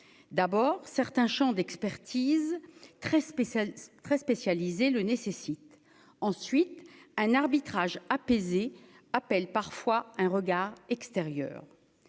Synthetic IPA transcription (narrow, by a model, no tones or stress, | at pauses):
d̪abɔːʁsɛʁt̪ɛ̃ʃɑ̃d̪ɛkspɛʁt̪ʰizt̪χɛ | t̪χɛspesjalizelənesesit̪ | ɑ̃sɥit̪ɛ̃naʁbit̪χaʒapeze | apɛlpaʁfwaɛ̃ʁəɡaʁɛkst̪eʁjœ̰ːʁ